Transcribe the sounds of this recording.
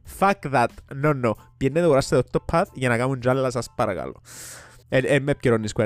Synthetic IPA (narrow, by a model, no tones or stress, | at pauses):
fakðat̪nonːopjɛnːeðeɣoɾaɾst̪eðot̪ːopʰːaθʝanakamund͡ʒalːas̬aspaɾɣa̰lo̰ | eɛmːep̚ceɾonːiskwe